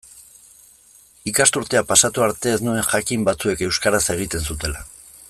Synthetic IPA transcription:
ikast̪uɾt̪eapasat̪uaɾt̪e̞ːznue̞ŋʝakimbat͡sue̞ke̞wskaɾase̞ɣ̞it̪e̞nsut̪e̞la

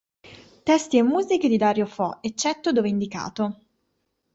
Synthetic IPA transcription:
t̪ɛst̪iemːuːziked̪id̪aɾjofɔet͡ʃːɛt̪ːod̪oːveind̪ika̰ːt̪o

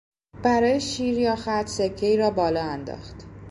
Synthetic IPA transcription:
b̥æɾɒːjeʃiːɾjɒːxæt̪ʰsecʰːe̞iːɾɒːbɒːlɒːænd̪ɒ̰ːxt̪

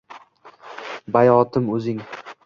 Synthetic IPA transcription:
bajɒt̪ʰɪmɵzɪŋ

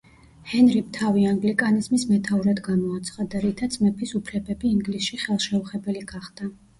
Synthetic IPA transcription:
hɛnɾimt̪ʰaviaŋɡlikʼanizmismɛt̪ʰauɾad̪ɡamɔat̪sʰχad̪aɾit̪ʰat̪sʼmɛpʰisupʰlɛbɛbiːŋɡlisʃiχɛlˠʃɛuχɛbɛliɡaχd̪̥a

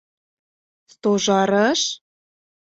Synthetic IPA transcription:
st̪oʒɑɾəʃ

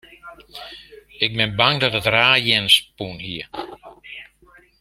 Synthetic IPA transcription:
ɪk̚bɪnbaŋdɔtətraːjɪnspunhiə

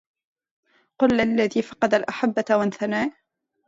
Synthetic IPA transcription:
qʊlʔʔalːaðiːfɑqɑd̪alʔaħabːawanθanaːj

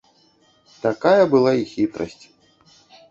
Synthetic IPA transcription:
t̪akajɐbɨlˠaixʲit̪ɾɐ̰sʲt͡sʲ

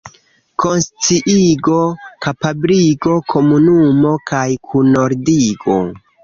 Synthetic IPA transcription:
ko̞nst͡siʔiɡo̞kapabliɡo̞kʰo̞munumo̞kajkʰunoɾdiɡo̞̰

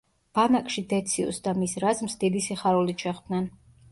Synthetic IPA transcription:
b̥anakʼʃid̪ɛt̪sʰiṵsd̪amisɾazmsd̪id̪isiχaɾulit͡ʃʰɛχbnɛn

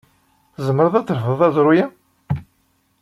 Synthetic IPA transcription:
zəmːəɾðˤæt͡s̪ːəɾfəðˤæzɾˤʊjæ

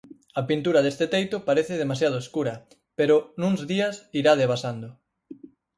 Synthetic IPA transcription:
ɐpint̪uɾaðest̪et̪ejt̪opaɾeθɪðemasjað̞oeskuɾɐ | peɾʊnũŋzðiɐsiɾaðeβasand̪ʊ

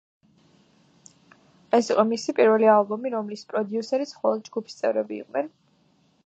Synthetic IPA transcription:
ɛsiqʼɔmisipʼiɾvɛlialˠbɔmiɾɔmlispʼɾɔd̪iusɛɾit̪smχɔlˠɔd̪̚d͡ʒɡupʰi̥st̪sʼɛvɾɛbḭːqʼnɛn

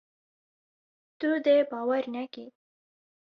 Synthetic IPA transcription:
t̪ud̪ebɑwaɾnaki

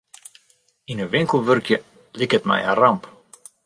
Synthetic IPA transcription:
inəʋɪŋkəl̩ˠʋørkjə | likətmɛ̰ja̰rɑmp

